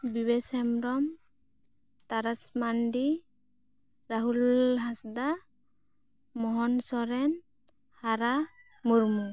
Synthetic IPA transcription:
biβɛsɛmɾɔm | t̪aɾasmanɖi | ɾaɦulɦasd̪a | mɔɦɔnsɔɾɛn | haɾa | muɾmu

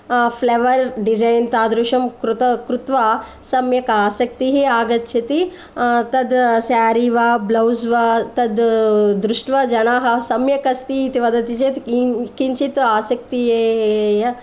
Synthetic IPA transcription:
pʰleːʋɐɾɖid͡ʒɐjnt̪aːd̪ɾuʃɐmkɾut̪ɐkɾut̪ʋaː | sɐmjɐkaːsɐk̚t̪iɦiaːɡɐt̪̚t͡ʃʰit̪i | t̪ɐd̪sjaːɾiʋaːblɐwzʋaːt̪ɐd̪d̪ɾuʂʈʋɐd͡ʒɐnaːɦɐsɐmjɐkɐst̪iit̪iʋɐd̪ɐt̪it͡ʃet̪kint͡ʃit̪aːsɐk̚t̪ijeːjɐ

